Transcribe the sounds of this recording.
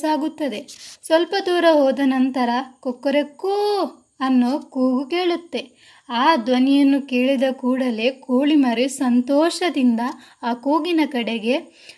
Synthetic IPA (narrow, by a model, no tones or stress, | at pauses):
aːɡut̪ːɐd̪e̞sʋɐlpɐd̪uːɾɐɦɔːd̪ɐnɐnt̪ɐɾɐkɔkːɐɾekuː | ɐnːokuːɡuke̞ːɭut̪ːe̞ | aːd̪ʋɐnijɐnːuke̞ːɭid̪ɐkuːɽɐlekuːɭimɐɾisɐnt̪ɔːʃɐd̪ind̪ɐ | aːkuːɡinɐkɐɽeɡe̞